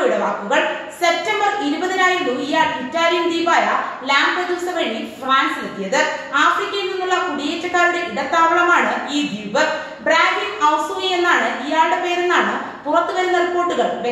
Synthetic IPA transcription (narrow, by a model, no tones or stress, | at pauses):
juɽeʋaːkːuɣɐɭse̞p̚tɐmbɐriɾubɐðinaːjɐnduijaːɭitːaːlijɐnd̪iːpaːjɐlaːɳɖprɐd̪uːsɐʋeːɳɖifraːnslet̪ːijɐðɨaːfrikʲːɐjilninːuɭːɐkuɖiet͡ɕːɐkːaːɾuɽe̞iɽɐt̪ːaːʋɐɳɐmaːɳɨiːd̪iːʋɨ | braːɖinɐwsuːienːaːɳɨʔijaːɭɖepe̞ːɾenːaːɳɨ | purɐt̪ːɨɣɐɾunːɐripːo̞ːrʈːuɣɐɭʋe